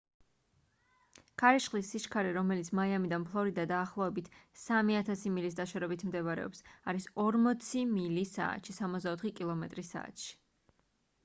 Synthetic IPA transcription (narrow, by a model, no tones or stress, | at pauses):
kʰaɾiʃχlisːiʃkʰaɾɛɾɔmɛlit̪sʰmajamid̪anpʰlˠɔɾid̪ad̪aːχlˠɔɛbit̪ʰsamiat̪ʰasimilis̬d̪aʃaɾɛbit̪ʰmd̪ɛvaɾɛ̰ɔ̰psaɾisɔɾmɔt̪sʰimilisa̰ːt̪ʃisamɔt̪zd̪aɔt̪ʰχikʼilˠɔmɛt̪ʼɾisa̰ːt̪ʃi̥